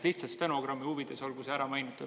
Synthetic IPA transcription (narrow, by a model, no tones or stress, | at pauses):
liht̪sɑst̪ænoɡ̥ɾɑmːiuvid̪̥e̞so̞lɡuseæɾɑmɑjnit̪ːˑu